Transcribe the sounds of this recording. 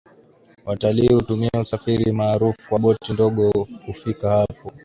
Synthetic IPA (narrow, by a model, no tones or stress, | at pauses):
wataliːhutumiɛusafiɾimaːɾufu̥kwaɓɔtindɔɠɔkufikahapɔ